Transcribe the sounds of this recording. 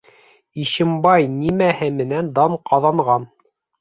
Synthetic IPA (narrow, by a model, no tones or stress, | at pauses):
iɕɘ̆mbɑjnimæhɘmɘ̆nænd̪ɑɴqɑðɑɴʁɑn